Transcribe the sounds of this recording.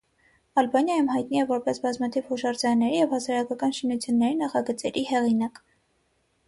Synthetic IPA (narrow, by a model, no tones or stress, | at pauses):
ɑlbɑnjɑjumhɑjt̪̚niɛvɔɾpɛsbɑzmɑt̪ʰiv̥hɔʃɑɾd͡zɑɑnːɛɾijɛvhɑsɑɾɑkɑkɑnʃinut͡sʰjunːɛɾinɑχɑɡət͡sɛɾʔihɛʁinɑk